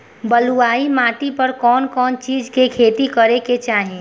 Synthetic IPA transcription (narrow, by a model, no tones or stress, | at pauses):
bəluaːimaːʈipəɾkɔːnkɔːnt͡ʃiːd͡ʒkekʰeːt̪ikəɾeket͡ʃaːɦie